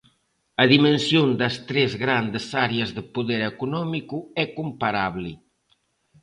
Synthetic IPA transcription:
ɐðimensjond̪ɐst̪ɾɛzɣɾand̪esaɾeɐzðəpuðɛɾekunɔmikuɛkumpaɾaβli

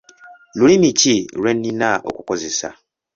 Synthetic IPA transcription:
luɾimitʰiɾenːĩnaʔo̰kukozisa̰

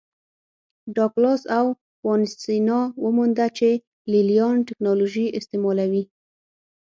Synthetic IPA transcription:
ɖɑklɑsaw | fɑnɪst̪inɑwəmund̪at͡ʃe | lilijɑnʈɪknɑloʒiɪst̪emɑlawi

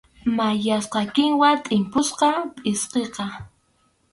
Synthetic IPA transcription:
majasqɑkɪŋwat̪ʼɪmpʊsqɑpʼɪsqeqɑ

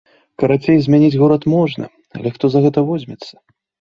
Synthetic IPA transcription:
kɐɾat͡sʲejzʲmʲɛnʲid͡zʲɣɔɾɐt̪mɔʐnɐ̰ | ɐ̰lʲɛxt̪ɔzɐɣɛt̪ɐvɔzʲmʲɛt̪sːɐ̥

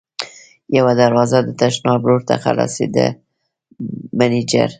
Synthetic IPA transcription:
jawad̪aɾwɑzad̪ət̪aʃnɑbɾoɾt̪a̰xa̰la̰sḛd̪a̰ | manid͡ʒa̰ɾ

